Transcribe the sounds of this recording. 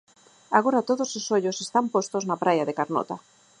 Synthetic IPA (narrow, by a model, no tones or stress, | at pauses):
aɣoɾat̪oðososoʎosest̪ampost̪oznapɾajaðekaɾno̰t̪a